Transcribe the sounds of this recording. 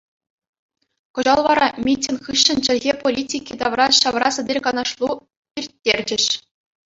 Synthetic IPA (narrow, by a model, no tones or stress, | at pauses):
kŏʑɑlˠʋɑɾɑmʲitʲːɘnχɯɕːɘ̆nt͡ɕɘ̆lʲɣʲepolʲitʲikʲid̪ɑʋrɑɕɑʋrɑsɘ̆dʲerʲkɑnɑʂlˠu | pʲirʲtʲːerʲd͡ʑɘ̆ɕ